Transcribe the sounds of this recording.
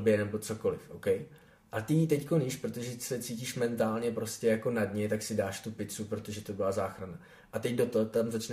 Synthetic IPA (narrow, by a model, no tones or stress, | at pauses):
bɪɛnɛbo̞t͡so̞ko̞lɪfʔowkɛj | ʔat̪ɪt̪ɛckoniʃpɾo̞t̪oʒɛsɛt͡siːciʃmɛnt̪aːlɲɛpɾo̞scɛjako̞nadɲɛt̪aksɪdaːʃt̪upɪt͡supɾo̞t̪o̞ʒɛt̪o̞bɪlazaːxɾana | ʔat̪ɛɟdo̞t̪oɦot̪amzat͡ʃnɛ